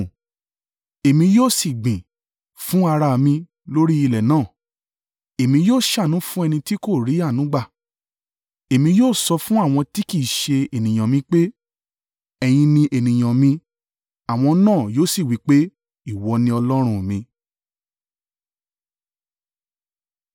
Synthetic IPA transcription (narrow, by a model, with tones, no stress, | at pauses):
e˨mĩ˧joː˦˨si˨ɡ͡bĩ˨ | fũ˦a˧ɾa˧˨mĩ˧ | lo˦ɾi˦i˦˧˨lɛ˨nãː˦˨ | e˨mĩ˧joː˦˨ʃa˦˨nũ˨˦fũ˦ɛ˧nĩ˧ti˦ko˦˨ɾi˨˦a˦˨nũ˨˦ɡ͡ba˦˨ | e˨mĩ˧joː˦˨sɔ˧fũ˦a˦˨w̃ɔ̃˧ti˦ki˦˨ʃe˧e˨nĩ˨j̃ã˨mĩ˧k͡pe˦ | ɛ˧j̃ĩ˧nĩ˧ʔe˨nĩ˨j̃ã˨mĩ˧ | a˨w̃ɔ̃˧nãː˦˨joː˦˨si˦˨wi˨˦k͡pe˦ | i˦˨wɔ˧nĩ˧˦ɔ˧lɔ˦ɾ̃ũ˦˨mĩ˧